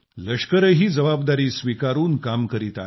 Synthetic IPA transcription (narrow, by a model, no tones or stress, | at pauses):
ləʂkəɾəɦiːd͡zəʋabd̪aɾiːsʋikaɾuːnkamkəɾiːt̪a̰